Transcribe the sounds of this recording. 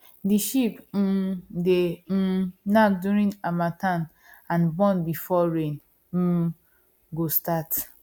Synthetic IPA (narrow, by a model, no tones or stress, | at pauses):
diʃip̩de | nakdjuɹĩnamatãn | ãnbɔ̃nbifɔɹẽn̩ | ɡostat